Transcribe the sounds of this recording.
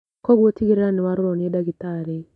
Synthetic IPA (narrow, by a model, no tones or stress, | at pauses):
kɔɡotiɡiɾeɾanɪwaɾɾɔnjedaɡit̪aɾɛ